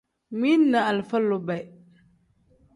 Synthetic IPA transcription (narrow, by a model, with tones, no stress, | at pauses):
mi˦nːa˨a˨lfa˦lːʊ˨ba˨